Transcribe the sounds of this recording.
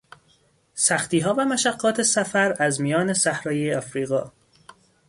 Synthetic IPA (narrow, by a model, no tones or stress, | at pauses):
sæxt̪iːɦɒːvæmæʃæɡːɒːt̪ʰe̞sæfæɾæzmijɒːne̞sæhɾɒːjejɒfɾiːɣɒː